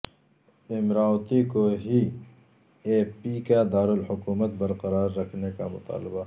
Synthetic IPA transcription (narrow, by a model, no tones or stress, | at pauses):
ɪmɾaːwt̪ikoɦi | eːpikad̪aːɾʊlhʊkuːmət̪̚bɐɾqɐɾaːɾːɐkʰnekamʊt̪a̰ːlɪba